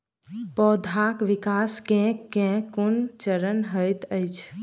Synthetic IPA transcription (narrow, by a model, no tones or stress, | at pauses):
pɔːd̪ʱakʋikaskẽkẽkunt͡ʃəɾənɦəjt̪əjt͡ʃʰ